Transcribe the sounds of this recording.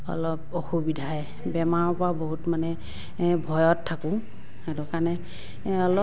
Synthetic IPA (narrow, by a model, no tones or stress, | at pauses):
ɔ̰lɔpoxubidʱajɛ | bɛmaɹɔpɔɹaboɦutmanɛ | bʱɔjɔtʰːakʊ̃ | edɔkanɛ | ɔlɔ